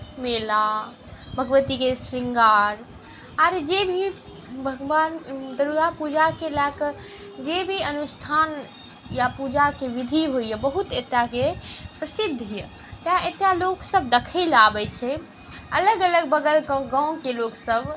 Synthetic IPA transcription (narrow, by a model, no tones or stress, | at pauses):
mela | bʱəɡʋət̪ikesɾiŋɡaɾ | aɾd͡ʒebʱi | bʱəɡʋand̪əɾuɡapud͡ʒakelakə | d͡ʒebʱiənusʈʰan | japud͡ʒakeʋid̪ʱiɦojəbəɦut̪et̪ːjakepɾəsid̪ʱijə | t̪ãet̪jaloksəb̚d̪ekʰəlabɛt͡ʃʰɛ | ələɡələɡbəɡəlkə̃ɡãw̃keloksəb